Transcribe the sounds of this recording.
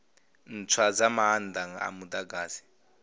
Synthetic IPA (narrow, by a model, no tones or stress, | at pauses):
n̩t͡sʰwad͡zamaand̪aŋa̰mud̪aɡaːzi̥